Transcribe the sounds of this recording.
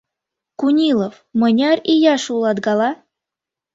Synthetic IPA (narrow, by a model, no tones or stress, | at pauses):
kunʲilˠof | mɤ̆nʲɑrʲijɑʃulˠɑd̪ɡɑlˠɑ